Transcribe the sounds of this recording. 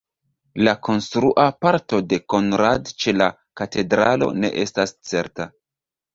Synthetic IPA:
lako̞nstɾuʔapaɾto̞de̞ko̞nɾadt͡ʃe̞la | kate̞dɾa̰lo̞̰ne̞̰ʔe̞stast͡se̞̰ɾta

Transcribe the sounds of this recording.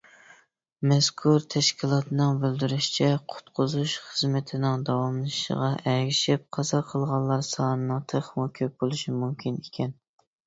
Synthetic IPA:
mɛskʰuɾt̪ʰɛʃkʲʰilˠɑt̪ʰɨnɨŋbɪld̪yɾyʃi̥t͡ʃʰɛqʰʊ̥t̪qʰʊzuʃχəzmɪt̪ʰɪnɪŋd̪ɑwɑmlˠɨʃə̰ʁɑʔɛɡʲiʃɪp̚qʰɑsɑqʰəlˠʁɑnlˠːɑɾsɑːnɨnɨŋt̪ʰəχmukʲʰøp̚bolˠɨʃimumkʲʰinekʲʰɛn

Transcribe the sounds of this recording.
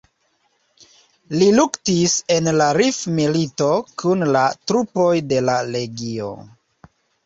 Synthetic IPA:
liluktise̞nlaɾifmilito̞kʰunlatɾupo̞jde̞laɾe̞ɡio̞̰

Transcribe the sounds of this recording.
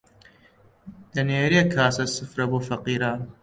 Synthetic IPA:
d̪̥ɐneːɾeːkʰaːsɐsɨfɾɐboːfɐqiːɾaːn

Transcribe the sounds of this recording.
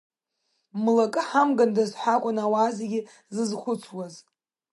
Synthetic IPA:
mlakʼɨħamɡandazħʷakʷʼʊnawaːzeɡʲɪ | zɨzχʷʊt͡sʷʰwaz

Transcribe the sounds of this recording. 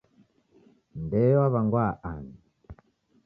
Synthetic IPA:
nbɛaβaŋɡwaʔani

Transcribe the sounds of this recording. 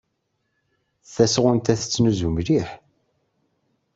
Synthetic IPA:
θæsʁʊnt̪æθət͡sːnuzumliħ

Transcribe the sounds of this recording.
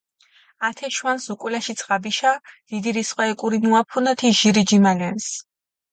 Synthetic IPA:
at̪ʰɛʃwansukʼwlaʃit̪sʰʁabiʃad̪̥id̪iɾisχwaɛkʼuɾinuapʰunat̪ʰiʒiɾid͡ʒimalɛns

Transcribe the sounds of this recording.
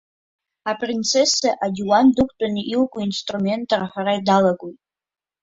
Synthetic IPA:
apʼrint͡sʰesaʔadʲiwandɨkʷʰʼtʼanɨʔilkʷʼʊinstʼrumʲe̞ntʰʼaraħaɾaidalaɡʼojtʼ

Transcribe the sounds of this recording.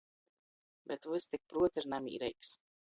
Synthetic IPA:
bɛt̪vust̪ik̚pɾuɔt̪sʲiɾnamḭːɾɛjks

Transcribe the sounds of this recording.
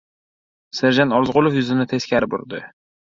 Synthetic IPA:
sɪɾd͡ʒanɒɾzʁʊlˠofjʊzɪnɪt̪ʰe̞skʲʰaɾɪbʊ̰ɾd̪ɪ

